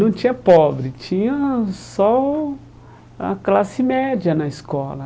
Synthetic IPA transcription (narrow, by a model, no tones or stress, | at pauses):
nɐ̃w̃t͡ʃĩɲɐpɔbɾɪt͡ʃĩɲɐsɔ | ɐ̰klasɪmɛd͡ʒiɐnɐɪskɔlɐ